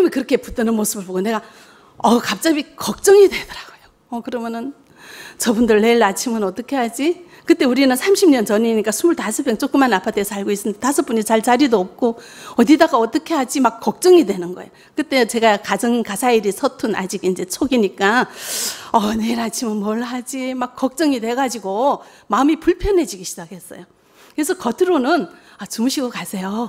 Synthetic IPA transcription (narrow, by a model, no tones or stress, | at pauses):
ɯʌmjʌnkɯɾʌkʰe̞put͈ɯnɯnmos͈ʰɯbɯɭboɡone̞ɡa | ʌkap̚t͡ɕ͈abikʌk̚t͡ɕ͈ʌŋidwe̞dʌɾaɡ̥ojo | ʌkɯɾʌmjʌnɯn | t͡ɕʌbundɯɭːe̞ɭat͡ɕʰimɯnʌt͈ʌkʰe̞ɦad͡ʑi | kɯt͈e̞uɾinɯnsʰamɕʰimɲʌnt͡ɕʌɲiɲik͈asʰumuɭtasʰɯpʰeŋt͡ɕ͈ok͈ɯmːanapʰatʰesʰaɭɡois͈ɯndetasʰɯp͈uɲit͡ɕaɭt͡ɕaɾidoʌp̚k͈oʌdidaɡaʌt͈ʌkʰe̞had͡ʑimakk͈ːʌk̚t͡ɕ͈ʌŋidwe̞nɯnɡʌejo | kɯt͈e̞t͡ɕe̞ɡakad͡ʑʌŋkasʰaiɾisʰʌtʰɯna̰d͡ʑiɡind͡ʑe̞t͡ɕʰoɡiɲik͈a | ʌne̞iɾat͡ɕʰimʌnmwʌɭːɦad͡ʑimak̚k͈ːʌk̚t͡ɕ͈ʌŋidwe̞ɡad͡ʑiɡo | maɯmipuɭpʰjʌnɦe̞d͡ʑiɡiɕʰi̥d͡ʑakʰe̞s͈ʌ̰jo | kɯɾes̬ʰʌkʌtʰɯɾonɯn | at͡ɕumuɕʰiɡʌkasʰe̞jo